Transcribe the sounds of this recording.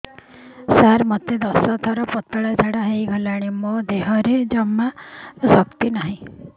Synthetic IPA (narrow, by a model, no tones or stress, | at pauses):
saɾmɔt̪ed̪ɔsɔt̪ʰaɾɔpɔt̪ːɔɭad͡ʒ̪ʱaɽaɦejɡʱɔlaɽ̃imod̪eɦɔɾed͡ʒɔmasɔkt̪inaɦĩ